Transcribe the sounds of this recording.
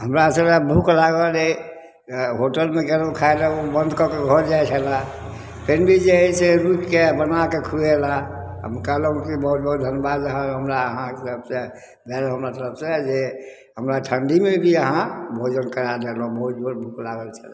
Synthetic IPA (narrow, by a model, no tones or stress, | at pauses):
ɦəmɾasəɾabʱuklaɡəle | ɦoʈəlmeɡeləkʰaeleobə̃nd̪ʱkɔkeɡʱɔɾd͡ʒajt͡ʃʰɛla | pʰenbʱid͡ʒeəiseɾukkebənakekʰɾuelaɦə̰mkələ̃kibəɦut̪̚bəɦut̪̚d̪ʱənjəbad̪əɦãɦəmɾaəɦãtp̚se | bɛlɦəmɾat̪əɾəpʰsed͡ʒe | ɦəmɾaʈʰəɳɖimebʱiəɦãbʱod͡ʒənkəɾad̪elɔ̃bəɦut̪d͡ʒʱoɾbʱuklaɡəlt͡ʃʰəla